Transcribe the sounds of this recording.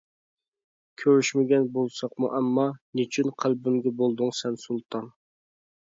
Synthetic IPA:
kʲʰøɾyʃmɪɡʲɛnbolˠsɑqmṵʔɛmːɑnyt͡ʃʰynqʰælbɪmɡʲɛbolˠd̪ʊŋsɛnsulˠt̪ʰɑn

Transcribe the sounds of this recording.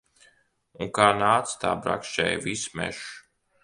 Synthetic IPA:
uŋkaːnaːt̪st̪a̰ːbɾa̰kʃt͡ʃɛ̰jvismɛ̰ʃ

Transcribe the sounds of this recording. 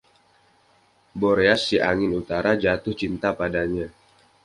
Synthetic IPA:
boɾeasːiʔaŋɪnut̪aɾad͡ʒat̪ʊht͡ʃint̪apadaɲa

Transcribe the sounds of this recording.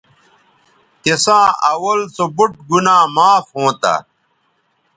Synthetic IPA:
kesãːʔɐwɐlsobuʈ̚ɡunãːmaːfhõːt̪a̰

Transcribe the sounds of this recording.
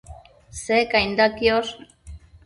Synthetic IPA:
sekajnd̪akios

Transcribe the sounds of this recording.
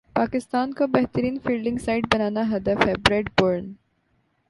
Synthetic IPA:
paːkɪst̪aːnkabɛɦt̪əɾiːnfiːlɖɪ̃ŋɡsaːɪɖ̚bɐnaːnaɦɐd̪əfɦɛbɾeːɖboːɾn

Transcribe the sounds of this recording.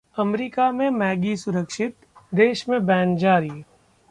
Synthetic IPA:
ɐmɾiːkamẽmɛːɡisʊɾəkʃɪt̪ | d̪eːʃmẽbɛ̃ːnd͡ʒaːɾi

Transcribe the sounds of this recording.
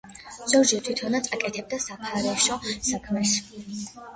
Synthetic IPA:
z̥ɔɾd͡ʒɛt̪ʰwit̪ʰɔnat̪sʰʼakʼɛt̪ʰɛb̚d̪asapʰaɾɛʃɔsakʰmɛs

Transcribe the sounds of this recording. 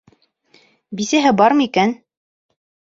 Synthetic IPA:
bisæɦɘbɑɾmɤikæn

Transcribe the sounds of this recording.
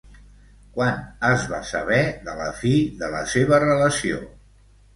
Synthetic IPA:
kwanəzβasəβɛðələ̰fiðələ̰seβ̞ərələsio̰

